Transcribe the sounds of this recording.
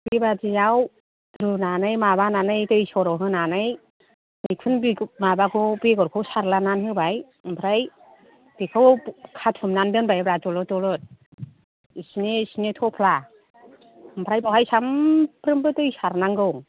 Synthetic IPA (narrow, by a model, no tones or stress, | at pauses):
bibad͡ʒijaw | ɾunanɯjmaβananɯjtɯsɔɾɔɦɯnanɯj | mik̚pʰɯnbmabakʰɯbeɡɔɾkʰɯwsaɾlananhɯbaj | mpʰɾaj | b̥ekʰɯwkʰatʰumnandɯnbajbɾad͡ʒɔlɔtɔlɔt̚ | isinesinetʰɔpʰla | mpʰɾajbɔhajsampɾɯmbɯtɯjsaɾnaŋɡɯwŋ